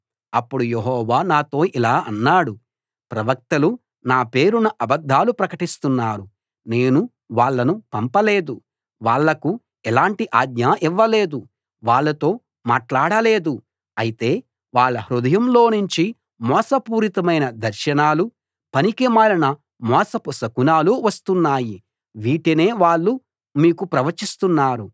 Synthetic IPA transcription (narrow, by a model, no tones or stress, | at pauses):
ɐpːuɽujeɦɔːʋaːnaːt̪o̞ːʔilaːɐnːaːɽu | pɾɐʋɐk̚t̪ɐlu | naːpe̞ːɾunɐʔɐbɐd̪ʱːaːlupɾɐkɐʈist̪unːaːɾu | ne̞ːnu | ʋaːɭːɐnupɐmpɐle̞ːd̪u | ʋaːɭːɐku | ɛlaːɳʈiʔaːd̪ɲaːʔiʋːɐle̞ːd̪u | ʋaːɭːɐt̪o̞ː | maːʈlaːɽɐle̞ːd̪u | ɐjit̪e̞ː | ʋaːɭːɐɦɾud̪ɐjɐmlo̞ːnuɲt͡ʃi | mɔːsɐpuːɾit̪ɐmɐjnɐd̪ɐɾʃɐnaːlu | pɐnikimaːlɐnɐ | mɔːsɐpusɐkunaːluʋɐst̪unːaːji | ʋiːʈene̞ːʋaːɭːu | miːkupɾɐʋɐt͡ʃist̪unːaːɾu